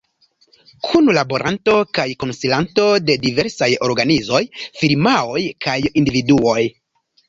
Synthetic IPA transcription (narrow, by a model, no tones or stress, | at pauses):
kʰunlabo̞ɾʔanto̞kajko̞nsilanto̞de̞dive̞ɾsajo̞̰ɾɡanizo̞jfiɾmao̞jkajindividuo̞j